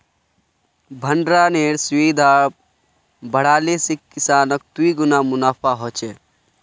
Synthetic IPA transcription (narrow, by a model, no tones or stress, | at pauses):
bʱəɳɖɾaneːɾsweːd̪ʱa | bəɽaːlesikːisaːnək̚t̪uiɡʊnamʊnaːpʰaɦoːt͡ʃe